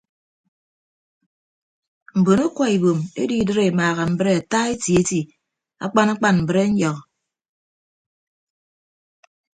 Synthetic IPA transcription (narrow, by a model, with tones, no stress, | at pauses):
m̩˨bo˨no˦kwɔ˦i˨bo˨mḛ˦di˦˨dɨ˦ɾe˨maː˨ɣa˨m̩˨bɨ˦ɾe˦a˨ta˦e˦tji˨e˦ti˨ | a̰˦k͡pa˦na˦k͡pa˦nm̩˨bɨ˦ɾe˦ɲ̩˦ɲɔ˨k